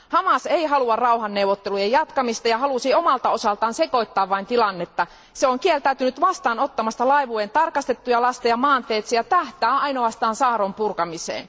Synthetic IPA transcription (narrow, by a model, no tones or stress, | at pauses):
hɑmɑseiɦɑluɑrrɑuhɑnːewʋot̪ːelujejjɑt̪kɑmist̪ɑjɑhɑlusiomɑlt̪ɑo̞sɑlt̪ɑːnseko̞it̪ːɑːʋʋɑint̪ilɑnːet̪ːɑ | seoŋkielt̪æyt̪ynyt̪ʋɑst̪ɑːnot̪ːɑmɑst̪ɑlɑiʋuent̪ɑrkɑst̪et̪ːujɑlɑst̪ɑjɑmɑːnt̪eːt̪sijɑt̪æht̪æːʔɑinoɑst̪ɑːnsɑːɾompurkɑmisḛːn